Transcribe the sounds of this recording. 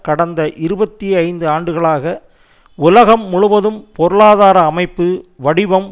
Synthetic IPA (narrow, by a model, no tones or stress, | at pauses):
kɐɽɐnd̪ɐʔɪɾɯbɐt̪ːiɐɪnd̪ɯaːɳɖɯɣɐɭaːɣɐ | ʊlɐɣɐmːʊɻʊʋɐðɯmpɔɾɯɭaːðaːɾɐːmɐɪpːɯʋɐɽɪʋɐm